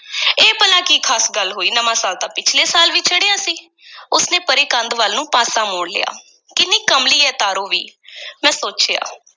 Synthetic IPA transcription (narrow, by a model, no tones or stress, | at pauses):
eːpəlãːkiːkʰaːsɡəlɦoːiːnəmãːsaːlt̪ãːpɪt͡ʃʰleːsaːlʋiːt͡ʃʰəɽɪjãːsiː | ʊsneːpəɾeːkənd̪ʋəlnũːpaːsaːmoːɳlɪ̰ja̰ː | kɪniːkəmliːɛːt̪aːɾoːʋḭːmɛ̃ːsoːt͡ʃeːa̰ː